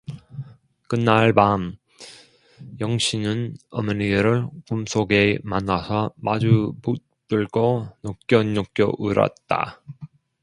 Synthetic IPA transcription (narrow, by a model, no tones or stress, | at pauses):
kɯnːaɭbam | jʌŋɕʰinɯnʌmʌniɯɾɯɭkumsʰoɡemanːasʰʌmad͡ʑuput̚ | t͈ɯɭɡonok͈jʌnːok͈jʌʔuɾʌ̰t̚t͈a̰